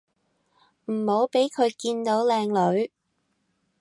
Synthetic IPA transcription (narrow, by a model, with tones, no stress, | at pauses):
m̩˨˩ho˨˧˥wpe˨˥jkʰɵ˨˧ɥkiː˧nt̪o˨˧˥wlɛː˧ŋlɵ˨˧ɥ